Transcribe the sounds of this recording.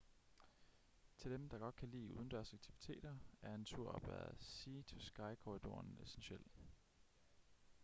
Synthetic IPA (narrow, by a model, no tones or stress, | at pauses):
t͡sʰe̝ld̥emd̥ɑ̈ɡ̥ɒ̽d̥̚kʰælḭːuːð̞ˠn̩d̥æɐsɑ̈ɡ̥̚t͡sʰiʋit͡sʰe̝̰ːd̥ɐæɐe̝nt͡sʰuɐ̰ɒ̽b̥ʋæ̰ɐðˠsiːt͡sʰosɡ̥ɑ̈ɪkʰoʁid̥o̝ɐnesenɕel̰